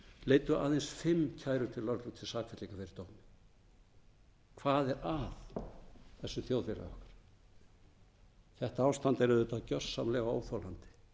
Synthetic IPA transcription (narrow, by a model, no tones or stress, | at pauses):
leːjt̪ʏa̰ːðejnsfɪmːcʰaːjɾʏt̪ʰɪlːœɾt̪lut̪ʰɪlsaːkvfɛt̪likafɛɾɪt̪oːwmɪ | kʰvaːðɛɾaθ | θɛsːʏθjowðvɪla̰ɔ̰hkḁɾ̥ | θɛht̪aaːwst̪ant̪ɛɾɪðʏt̪aðcœr̥sːamlɛːɣao̰wθɔwlant̪ɪ̥